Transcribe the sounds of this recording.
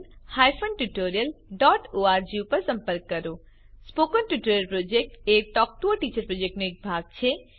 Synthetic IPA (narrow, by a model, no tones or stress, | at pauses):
hajfʰonʈuʈoɾijəlɖɔːʈoːaːɾd͡ʒiupəɾsə̃mpəɾkːəɾo | spoːkənʈuʈoɾjəlpɾod͡ʒek̚ʈek̚ʈɔk̚ʈuəʈit͡ʃəɾpɾod͡ʒek̚ʈnuek̚bʱaːɡ̚t͡ʃʰe